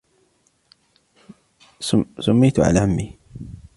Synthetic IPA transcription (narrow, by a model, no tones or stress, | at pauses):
sʊmːajt̪ʕa̰laʕamːi